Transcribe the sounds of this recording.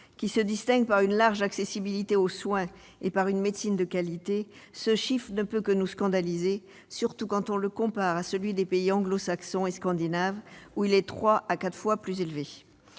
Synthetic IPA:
kʲisəd̪ist̪ɛ̃ɡ̚paʁynlaʁʒaksesibilit̪eoswɛ̃ | epaʁynmet̪sind̪əkalit̪e | səʃifχnəpøkənuskɑ̃d̪alize | syʁt̪ukɑ̃t̪ɔ̃ləkɔ̃paʁasəlɥid̪epeiɑ̃ɡlosaksɔ̃eskɑ̃d̪inavuilɛt̪χwaʔakat̪χfwaplyzelve

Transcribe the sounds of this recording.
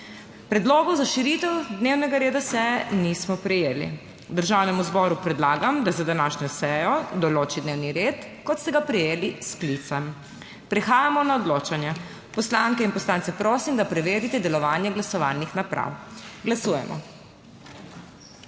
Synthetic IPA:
pɾɛd̪loːɡɔzaʃiɾit̪ɛwd̪neːwnɛɡaɾeːd̪asɛjɛnismɔpɾɛjeːlḭ | d̪əɾʒawnɛmuzbɔɾupɾɛd̪laːɡamd̪azad̪anaːʃɲʲɔsɛjɔd̪ɔloːt͡ʃid̪neːwniɾeːt̪kɔt̪st̪ɛɡapɾɛjeːlisklit̪sam | pɾɛxaːjamɔnaɔd̪loːt͡ʃanjɛ | pɔslaŋkɛinpɔslaːnt̪sɛpɾoːsimd̪apɾɛʋeːɾit̪ɛd̪ɛlɔʋaːnjɛɡlasɔʋa̰ːlnixnapɾa̰wɡlasuːjɛ̰mʔɔ̰

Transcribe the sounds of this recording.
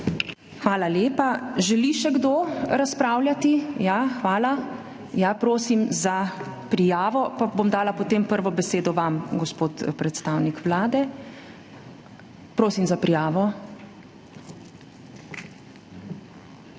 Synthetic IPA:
xʋaːlaleːpaʒɛliʃɛɡd̪oɾaspɾaːwljat̪ijaxʋaːla | japɾoːsimza | pɾijaːʋɔpabomd̪aːlapɔt̪eːmpəɾʋɔbɛseːd̪ɔʋamɡɔspoːt̪pɾɛt̪st̪aːwnikʋlaːd̪ɛ | pɾoːsimzapɾijaːʋɔ

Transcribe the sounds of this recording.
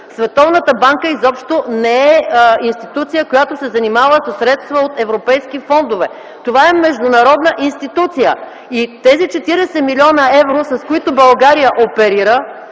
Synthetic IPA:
svɛt̪ɔvnət̪əbaŋkəizɔpʃt̪onɛɛinst̪it̪ut̪sijəkojat̪osɛzɐnimavəsɐsɾɛt̪st̪vəot̪ɛvɾopɛjskifɔnd̪ovɛ | t̪ovaɛmɛʒd̪ʊnɐɾɔd̪nəʔinst̪it̪ut̪sijə | it̪ɛzit͡ʃɛt̪iɾɛsɛmilʲiɔnəɛvɾosɐskoit̪ʊbɐlˠɡaɾijəʔopɛɾiɾə

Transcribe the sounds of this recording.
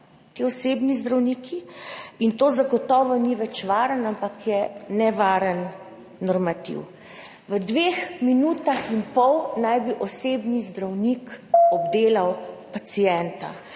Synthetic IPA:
t̪iːɔseːbnizd̪ɾawniːkʰiint̪oːzaɡɔt̪ɔːʋɔniʋɛt͡ʃʋaːɾənampakjɛnɛʋaːɾənː | ɔɾmat̪ḭw | ʋəd̪ʋeːxminuːt̪axinpɔwnajbiʔɔseːbnizd̪ɾawnikɔbd̪eːlawpat̪sijɛnt̪a̰

